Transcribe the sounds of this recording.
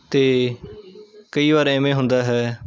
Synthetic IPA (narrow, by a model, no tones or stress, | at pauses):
t̪eː | kəiːʋaːɾeːmẽːɦʊ̃nd̪aːɦɛː